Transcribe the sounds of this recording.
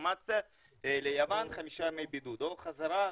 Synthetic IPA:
mat͡sa | lejavanχamiʃajmejbid̪ud̪oχazaɾa

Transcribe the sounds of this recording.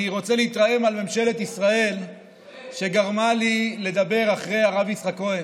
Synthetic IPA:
ʁo̞t͡seleit̪ʁaje̞malme̞mʃe̞le̞t̪isʁae̞l | ʃe̞ɡaʁmalile̞d̪abe̞ʁaχʁe̞jaʁavisχako̞en

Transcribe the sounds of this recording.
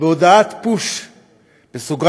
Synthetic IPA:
beod̪aat̪puʃ | b̥esuɡʁ

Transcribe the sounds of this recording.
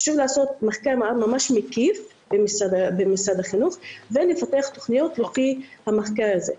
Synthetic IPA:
ḁʃuvlaːso̞t̪̚maχkaʁmamaʃmekif | bemisad̪abemisad̪aχinuχvelefateaχt̪oχnijo̞t̪lofihamaχkaʁazḛ

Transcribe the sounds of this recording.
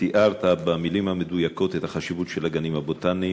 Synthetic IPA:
iʔaʁt̪abamilimhamedujako̞t̪et̪haχaʃivutʃelaɡanimhabot̪ani

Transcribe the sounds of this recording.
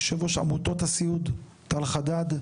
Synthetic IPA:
ʃevoʃa̰mut̪o̞t̪hasiud̪ | talχad̪ad̪

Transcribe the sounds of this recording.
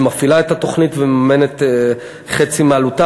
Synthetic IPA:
mafilaetato̞χnitvemamenet̪ | χet͡simealuta

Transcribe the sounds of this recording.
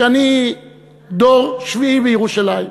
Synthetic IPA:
ani | d̪oʁʃviivejeʁuʃalai

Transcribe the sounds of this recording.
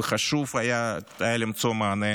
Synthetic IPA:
əχaʃuvajaajalimt͡ssomaːne

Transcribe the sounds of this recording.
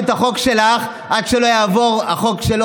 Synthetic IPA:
t̪haχo̞kʃe̞laχ | ʔadʃelo̞jaːvo̞ʁaχo̞kʃelo

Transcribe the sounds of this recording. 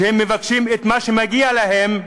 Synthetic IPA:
hemːevakʃimet̪maʃemaɡialaɦem

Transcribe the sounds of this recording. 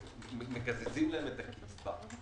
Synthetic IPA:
mekazezimlaemet̪aki̥t͡sba

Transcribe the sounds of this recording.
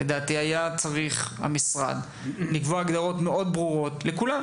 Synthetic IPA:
ed̪aːt̪iajat͡saʁiχha̰misʁa̰d̪ | likvoaɡd̪aʁo̞t̪me̞ʔo̞d̪bʁuʁo̞tle̞kula

